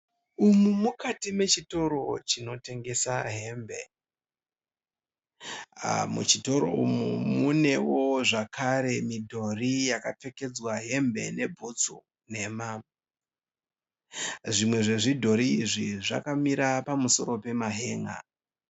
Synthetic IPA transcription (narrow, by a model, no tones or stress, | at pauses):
umumukatime̞t͡ʃito̞ɾo̞t͡ʃino̞te̞ŋɡe̞saɦe̞mbe̞̰ | mṵt͡ʃito̞ɾo̞̰ṵmumune̞wo̞ʐakʰaɾe̞midʱo̞rijakap͡fe̞ke̞d͡zwaɦe̞mbe̞̰ne̞bʱot͡so̰ | ne̞ma | ʐimwe̞ʐe̞ʐidʱo̞ɾiːʐiʐa̰kamiɾapamuso̞̰ɾo̞pe̞maɦe̞ːŋa̰